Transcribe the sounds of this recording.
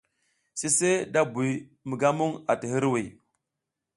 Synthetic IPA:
si˦se˦da˦bu˨mə˨ɡa˦mu˦ŋa̰˨ti˨ɦi˦ɾwi˨

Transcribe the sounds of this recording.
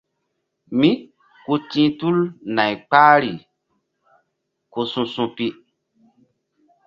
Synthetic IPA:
mĩ˦ | ku˦tĩ˦tu˦lna˨jk͡paː˦ɾi˨ | ko˧sũ˧sũ˧pi˦

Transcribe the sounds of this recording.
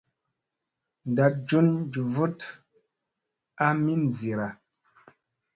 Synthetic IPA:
n̩˨da˨t̚d͡ʒu˦nd͡ʒu˨vu˦t | a˦mi˦n˨zi˨ɾa˨

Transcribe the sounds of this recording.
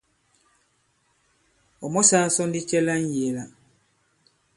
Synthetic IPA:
ɔ˨mɔ˦sa˦sɔ˦ndi˦t͡ʃɛ˦la˦n̩˦je˨la˨

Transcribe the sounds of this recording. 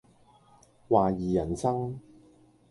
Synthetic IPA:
waː˨jiː˨jɐ˨˩nsɐ˥ŋ

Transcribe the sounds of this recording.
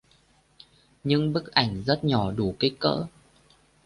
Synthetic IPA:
ɲɨ˧ŋɓɨ˦˥k̚ʔa˧˩jŋ̟zə˦˥t̚ɲɔ˧˩ɗu˧˩kə˨˦kə̰ː˧˥

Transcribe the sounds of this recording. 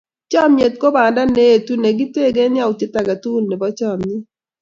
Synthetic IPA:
t͡ʃɔ˦mje˨t̚ko˦ba˨nda˦ne˦e˨tu˦ne˨ɡi˦te˦˨ɡe˦nɪ˦a˦ʊ˨te˦ta˨ɡa˨tu˦˨nnɛ˨bɔ˦t͡ʃɔ˦˨mnɪ˦

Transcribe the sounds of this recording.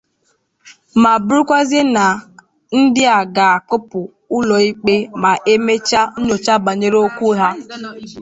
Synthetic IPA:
ma˨bɾu˦kʷa˦ze˦na˨ | n̩˦dɪ˦a˨ɡa˨a˨kʊ˦pʊ˨ | ʊ˦lɔ˨i˦k͡pe˦ma˨ʔe˦me˦t͡ʃa˦ɲo˨t͡ʃa˦ba˨ɲe˦ɾo˦kʷu˦ɦa˦

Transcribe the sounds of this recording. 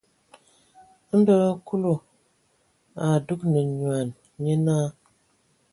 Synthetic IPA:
n̩˦bə˦ku˦lo˨ | a˨du˦k̚nə˨ɲwa˨n | me˦naː˦

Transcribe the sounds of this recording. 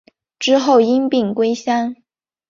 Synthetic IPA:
ʈ͡ʂɻ̩˥xo˥˩ʊi˥ŋpi˥˩ŋkwe˥ɪɕja˥n

